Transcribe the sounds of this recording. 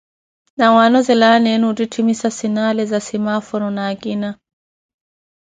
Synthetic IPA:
nawanɔzɛlanɛnuːtitʰimisasinalɛzasimafɔnɔnaːɡina

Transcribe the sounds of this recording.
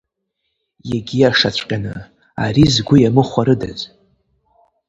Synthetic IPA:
jaɡʲijaʂat͡ɕʷʰʼqʲʼanɨ | a̰ɾizɡʷʊjamɨχʷaɾɨda̰z

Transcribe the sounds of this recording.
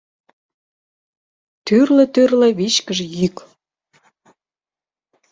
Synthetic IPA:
t̪yrlĕt̪yrlĕβiʃkəʒejyk

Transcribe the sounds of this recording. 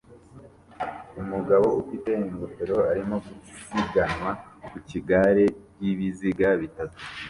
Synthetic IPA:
umuɡaβo̞ufite̞iŋɡote̞ɾo̞aɾimo̞ɡusiɡanwakuciɡaɾe̞ | iβiziɡaβitatu̥

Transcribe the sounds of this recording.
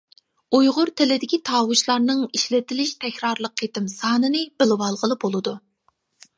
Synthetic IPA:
ujʁʊɾt̪ʰɪlɪd̪ɪkʲʰit̪ʰɑːwuʃlˠɑɾnɨŋiʃlɪt̪ʰɪlɪʃt̪ʰɛkʲɾɑɾlˠəqʰːet̪ɪmsɑːnɨnɨb̥ɪlɪwɑlˠʁəlˠɨbolˠɨd̪u

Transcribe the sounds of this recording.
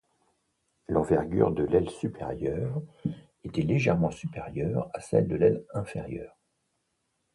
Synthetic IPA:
lɑ̃vɛʁɡʲy̰ʁd̪əlɛlsypʰeʁjœʁ | et̪ɛleʒɛʁmɑ̃sypeʁjœʁasɛ̰ld̪əlɛlɛ̃feʁjœ̰ːʁ

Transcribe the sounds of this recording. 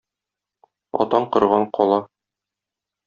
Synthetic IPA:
ɒ̰t̪ɑɴqɤ̆ɾʁɑɴqʰɒlˠɑ

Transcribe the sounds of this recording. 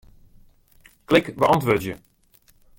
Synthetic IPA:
klɪkbəʔɑntʋøːtjə

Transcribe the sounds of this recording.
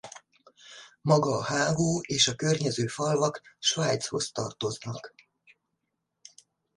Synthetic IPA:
mɒɡɒːhaːɡoːeːʃɒkørɲɛzøːfɒlvɒkʃʋaːjt̪sho̞̰st̪ɒrt̪o̞znɒk

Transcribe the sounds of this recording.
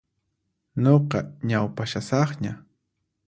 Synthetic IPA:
ɲoqɑɲawpaʃasɑχɲa

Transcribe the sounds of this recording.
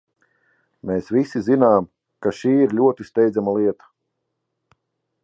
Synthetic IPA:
meːsvʲisizinaːm | kaʃiːiɾlʲuɔt̪ist̪ɛjd̪zamalˠiɛt̪ḁ

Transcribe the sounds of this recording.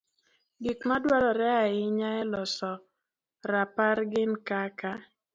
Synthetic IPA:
ɡɪkmadwalɔɾɛaɪɲaɛlɔsɔ | ɾapaɾɡɪnkaka

